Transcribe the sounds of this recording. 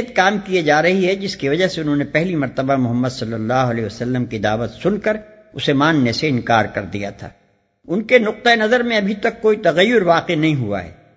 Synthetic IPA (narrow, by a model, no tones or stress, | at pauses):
t̪̚kaːmkied͡ʒaːɾɐɦiɦɛd͡ʒɪskiʋɐd͡ʒəseʊnɦõːnepɛɦlimɐɾt̪əbamʊɦəmːəd̪sɐlːəlːaːɦʊɐleʋɐsɐlːəmkid̪aːʋət̪sʊnkɐɾ | ʊsemaːnneseɪ̃nkaːɾkɐɾd̪ḭja̰t̪ʰa̰ː | ʊnkenʊq̚t̪aenɐzəɾmẽɐbʱit̪ɐkːoːit̪ɐɣɐjːʊɾʋaːqenɐɦĩɦua̰ɦɛ̰ː